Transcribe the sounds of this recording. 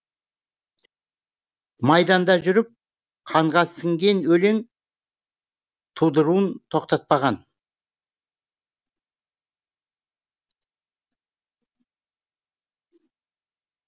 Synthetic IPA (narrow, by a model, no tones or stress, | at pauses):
mɑjd̪ɑnd̪ɑʒʏɾɪp̚ | qʰɑɴʁɑsɪŋɡʲe̞nwɵle̞ŋ | t̪ʰud̪əɾuənt̪ʰo̞qt̪ɑt̪̚pɑʁɑn